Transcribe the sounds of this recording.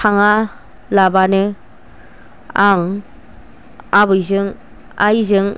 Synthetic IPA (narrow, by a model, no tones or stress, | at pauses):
aŋa | labanɯ | aŋ | abɯjzɯŋ | a̰jzɯŋ